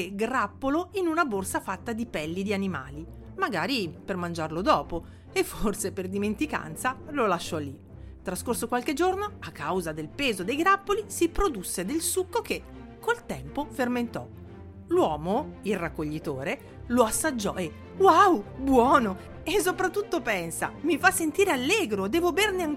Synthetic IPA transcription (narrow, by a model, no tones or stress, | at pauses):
keɡrapːoloinunaborsafat̪ːad̪ipɛlːid̪ianima̰ːli | maɡaːɾipermand͡ʒarlod̪ɔːpo | efːorseperd̪iment̪ika̰nt̪salolaʃːɔlːi | t̪ɾaskorsokwalked͡ʒornoakːawzad̪elpeːzod̪ejɡɾapːolisipɾod̪usːed̪elsukːoke | kːolt̪ɛmpoferment̪ɔ̰ | lwɔːmoilrːakːoʎːit̪oːɾe | loasːad͡ʒːɔ̰e | wawbwɔːno | esːopɾat̪ːut̪ːopɛnsa̰mifasːent̪iːɾealːɛːɡɾod̪ɛːvoberneaŋ